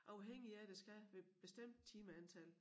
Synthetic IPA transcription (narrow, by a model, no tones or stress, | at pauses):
ʔɑ̈ʊɦeŋ̰iæd̥esɡ̥æʋe̝b̥e̝sd̥em̰d̥̚t͡sʰiːməænt͡sʰæl